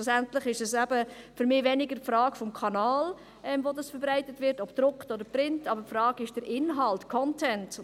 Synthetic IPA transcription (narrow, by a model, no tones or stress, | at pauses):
usæntlɪχɪʃɛsæbəfʏɾmɪːvɛnɪɡəpfɾɑːkfɔmkʰɑnɑːl | ɛmvoːdɑsfəɾbɾaɪtətʋɪɾtɔpd̥ɾʊktodəɾpɾɪntɑbəɾpfɾɑːɡɪʃd̥əɾʔɪnɦɑltkʰɔntʰɛnt